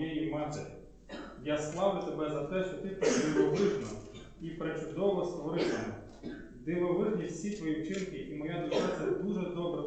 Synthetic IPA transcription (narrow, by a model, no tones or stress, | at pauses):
jɛjimɑt̪ḛɾʲ | jaslˠɑʋʊt̪ebɛzɐt̪ɛʃt͡ʃɔt̪ɪpd̪ɪʋɔʋɪʒnɔ | ipɾet͡ʃʊd̪ɔʋɔst̪ʋɔɾɪsɐmɛ | d̪ɪʋɔʋɪʒnʲisʲit̪ʋɔjiwt͡ʃɪnkɪʔimɔjad̪ʊʒɛt͡s̪ʲɐd̪uʒɛd̪ɔbɾɛ